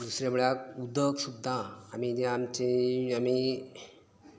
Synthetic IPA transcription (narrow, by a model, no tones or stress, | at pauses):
d̪usɾjamuɭakud̪ʱəksud̪ʱːaːmid͡ʑeamt͡ɕeami